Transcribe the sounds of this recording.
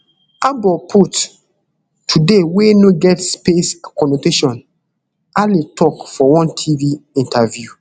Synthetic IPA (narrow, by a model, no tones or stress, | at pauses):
abɔpʰut | tʰːudewenoɡɛtspeskɔnoteʃɔ̃n | aletʰɔkfɔwɔ̃ntʰiviĩntʰavju